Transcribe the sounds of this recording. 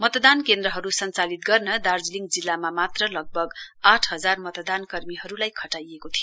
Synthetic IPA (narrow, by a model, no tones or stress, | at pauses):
mʌt̪d̪ankend̪rʌɦʌɾusʌnt͡salit̪̚ɡʌrnʌd̪ard͡zliŋɡd͡zilːamamat̪rʌlʌɡ̚bʱʌɡaʈʰɦʌd͡zarmʌt̪d̪ankʌrmiɦʌɾulajkʰʌʈajekot̪ʰijo